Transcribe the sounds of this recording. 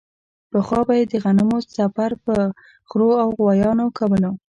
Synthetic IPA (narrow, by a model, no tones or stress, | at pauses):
pəxwɑbajed̪əɣanəmosafaɾpə | xɾoawɣwɑjɑnokawəlo